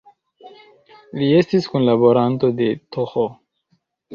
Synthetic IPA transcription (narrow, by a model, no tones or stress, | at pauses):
lie̞stiskunlabo̞ɾanto̞de̞toxo